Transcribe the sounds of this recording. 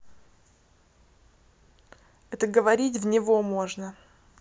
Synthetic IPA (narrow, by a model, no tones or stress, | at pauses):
ɛt̪əɡəvɐɾʲit̬ʲvnʲɪvomo̞ʐnə